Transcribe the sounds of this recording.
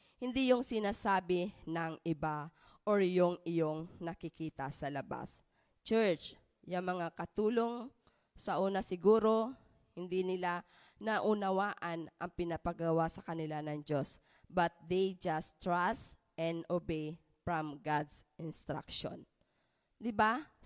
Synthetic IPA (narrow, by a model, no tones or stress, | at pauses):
hɪnd̪ijoŋsɪnaːsaːbɪnɐŋʔɪba | ʔoɹjoŋɪjoŋnɐkɪkiːt̪ɐsɐlɐba̰s | t͡ʃɛɹt͡ʃ | jaŋmɐŋakɐt̪uːlo̞ŋ | sɐʔuːnɐsɪɡuːɾo̞ | hɪnd̪inɪla | nɐʔʊnɐwaːʔɐnʔɐŋpɪnapɐɡɐwasɐkɐnɪlanɐŋd͡ʒo̞s | bɐt̪̚d̪ejd͡ʒast̪ɹas | ʔɛnd̪obej | fɹɐmɡad̪sɪnst̪ɾa̰kʃo̰n | d̪ɪba